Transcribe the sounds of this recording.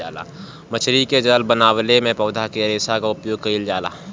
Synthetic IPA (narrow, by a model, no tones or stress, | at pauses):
a̰ːla̰ː | mət͡ʃʰɾiked͡ʒəlbənaːwlemẽpɔːd̪ʱakeɐɾeːsakaʊpjoːɡ̚kɐild͡ʒaːla̰ː